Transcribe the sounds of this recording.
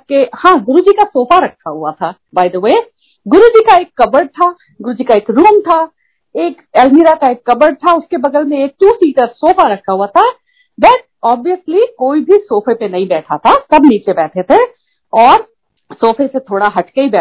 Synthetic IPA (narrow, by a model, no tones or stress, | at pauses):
kehãːɡʊɾud͡ʒikasoːfaɾɐkʰːaɦuat̪ʰa | baːɪd̪əweː | ɡʊɾud͡ʒikaeːkːɐbəɾɖ̚t̪ʰa | ɡʊɾud͡ʒikaeːkɾuːmt̪ʰa | eːk | ɛːlmiːɾakaeːkːɐbəɾɖ̚t̪ʰaʊskebɐɡ̪əlmẽeːk̚ʈ̪uːsiːʈəɾsoːfaɾɐkʰːaɦuat̪ʰa | bɐʈ̚ɔːbijəslikoːibʱisoːfepenɐɦĩbɛːʈʰat̪ʰasɐbniːt͡ʃebɛːʈʰet̪ʰe | ɔːɾ | soːfʰeset̪ʰoːɽaɦɐʈkeibɛː